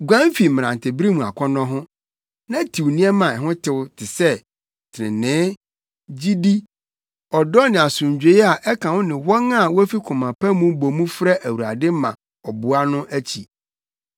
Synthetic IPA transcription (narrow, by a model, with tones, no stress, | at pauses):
ɡʷã˦m˦fi˨m̃˨ã˨ntʰɪ˨bɾi˦mũ˨a̰˨kʷʰɔ˦nɔ̃˦ɦʊ̃˦ | nã˦tʰi˨wnĩ˦ɛ˦mã˨ɛ˨ɦʊ̃˦tʰɪ˨wʊ˦tʰɪ˨sɛ˦ | tʰɾɪ̰̃˨nɪ̃ː˦ | d͡ʑi˦di˦ | ɔ˨dɔ˦nɪ̃˨a˨sʊ̃˨ɲ˨d͡ʑᶣe˨˦ɛ˦a˨ʔɛ˦kʰã˨wʊ˦nɪ̃˨wɔ˦ŋã˦˨wɔ˦æ˦fi˦kʰʊ̃˨mã˨pʰã˦mũ˦bo˨mũ˦fɾɛ˦ʔæ˨wu˨ɾa̰˨dɪ˦mã̰˨ | ɔ˨bʊ˨a˦nʊ̃˦ʔæ˦t͡ɕʰi˨